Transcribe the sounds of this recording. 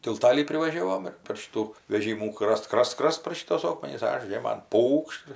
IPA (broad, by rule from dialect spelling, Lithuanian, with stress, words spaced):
tʲɪlˠˈtɑːlʲiː pʲrʲɪʋɐˈʒʲæːʋoːm ɪr pʲɛr ˈʃʲɪtuː ʋʲɛˈʒʲiːmuː ˈkrɐst ˈkrɐst ˈkrɐst pɐr ʃʲɪˈtuɔs ˈoːkmʲɛnʲɪs ˈɐʃ ˈʒʲeːmɐn ˈpuːkʃt